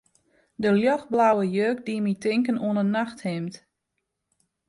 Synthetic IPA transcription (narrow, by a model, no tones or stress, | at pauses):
dəljɔxblawəjøːk̚diəmitɪŋkənuənənaxthɪmt